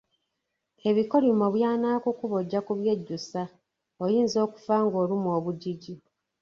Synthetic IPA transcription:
e̞βiko̞limoβjaːnaːkukuβo̞ɟːakuβje̞ɟːusa | ojiːnzo̞ːku̥faːŋɡo̞ːlimoːβuɟiɟi

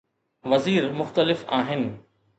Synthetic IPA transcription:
ʋɐziːɾmʊxt̪əlɪfaːɦɪnɪ̆

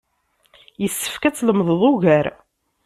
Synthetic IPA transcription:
jəsːə̥fkæt͡sːləmðˤəðˤʊʝæɾ

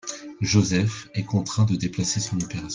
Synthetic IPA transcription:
ʒozɛfɛkɔ̃t̪χɛ̃d̪əd̪eplasesɔ̃nopeʁas

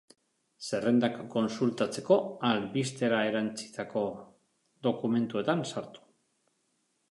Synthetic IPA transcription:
se̞re̞nd̪akkːo̞nsult̪at͡se̞ko̞alβist̪e̞ɾae̞ɾant͡si̥t̪ako̞ | ðo̞kume̞nt̪ue̞t̪ansaɾt̪u̥

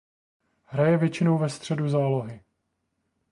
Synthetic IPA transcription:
ɦɾajɛvjɛt͡ʃɪnowvɛst̪r̝̥ɛduzaːlo̞ɦɪ

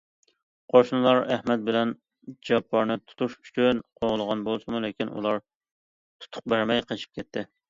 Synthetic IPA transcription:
qʰoʃnɨlˠɑɾæhmɛt̪̚bɪlɛn | d͡ʒɑpʰːɑɾnɨt̪ʰu̥t̪ʰuʃʰy̥t͡ʃʰynqʰoʁəlˠəʁɑnbolˠsɨmulɪkʲinṵlˠɑɾ | t̪ʰu̥t̪ʰʊ̥q̚bæɾmɛjqʰət͡ʃʰi̥p̚kʲʰɛt̪ʰːɪ

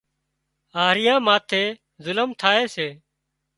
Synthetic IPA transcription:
aːɾɪjãːmaːt̪ʰeː | zʊləmt̪ʰaːeːseː

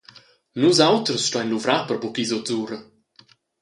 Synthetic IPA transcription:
nuzawt̪ɾəsʃtɔajnluvɾapəɾbukizot͡suːɾə

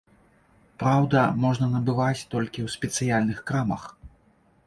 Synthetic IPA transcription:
pɾawd̪ɐmɔʐnɐnɐbɨvat͡sʲt̪ɔlʲkʲiwsʲpʲɛt̪sɨjalʲnɨxkɾamɐ̰x

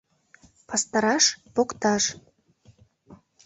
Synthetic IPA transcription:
pɑst̪ɑɾɑʃpokt̪ɑʃ

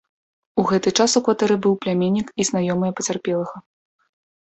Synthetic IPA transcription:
uɣɛt̪ɨt͡ʂasukvat̪ɛɾɨbɨwplʲamʲenʲːikiznajɔmɨjɐpɐt͡sʲarpʲɛlˠɐɣɐ

